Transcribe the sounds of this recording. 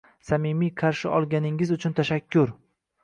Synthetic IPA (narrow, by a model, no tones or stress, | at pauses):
samimijqʰɑɾʃɪ̰ʔɒlˠɡʲanɪŋɪzʊt͡ʃʰʊnt̪ʰaʃakʲʰːʊɾ